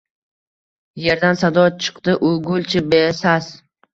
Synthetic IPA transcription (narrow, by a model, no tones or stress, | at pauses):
je̞ɾd̪ansad̪ɒt͡ʃʰɨ̥qt̪ɪʔʊɡolʲt͡ʃʰɪbesaz